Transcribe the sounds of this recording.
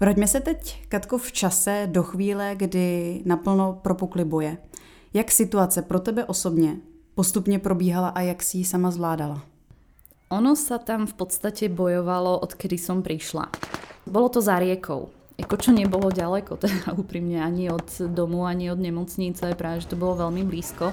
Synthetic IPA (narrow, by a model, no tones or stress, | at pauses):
pɾoɟmɛsɛt̪ɛckat̪koft͡ʃasɛdoxʋiːlɛɡdɪnapl̩nopɾopuklɪbujɛ | jaksɪt̪uat͡sɛpɾot̪ɛbɛʔosobɲɛ | post̪upɲɛpɾobiːɦalaʔajaksɪjisamazvlaːdala | ʔɔnɔsat̪amfpɔt̪st̪acɛbɔjɔʋalɔʔɔt̪kɛdisɔmpɾiʃla̰bɔlɔt̪ɔzaɾɪɛkʰɔ̰w | jakɔt͡ʃɔɲɛbɔlɔɟalɛkɔt̪ɛdauːpɾimɲɛaɲiɔt̪d̪ɔmuaɲiɔd̪ɲɛmɔt͡sɲit͡sajɛpɾaːvɛʒɛt̪ɔbɔlɔvɛlmɪbliːskɔ